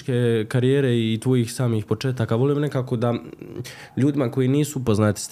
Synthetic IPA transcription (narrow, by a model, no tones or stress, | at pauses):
kekaɾijeːɾe̞it̪ʋo̞jixsaːmiːxpo̞t͡ʃeːt̪akaʋo̞limne̞kaːko̞d̪a | ʎuːd̪imako̞jiniːsuupo̞znaːt̪i̥s